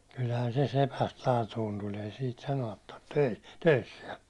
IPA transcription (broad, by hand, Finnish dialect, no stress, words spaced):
kylhæn se sepæst lɑːtuːn tulʲ ei siːt sɑnoɑt tɑrtːe̥ tøi tøisːiɛ